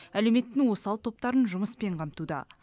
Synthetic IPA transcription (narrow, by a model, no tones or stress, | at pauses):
ælewme̞t̪ːɪŋwo̞sɑlˠt̪ʰo̞p̚t̪ɑɾənʒʊməspe̞ɴqʰɑmt̪ud̪ɑ̰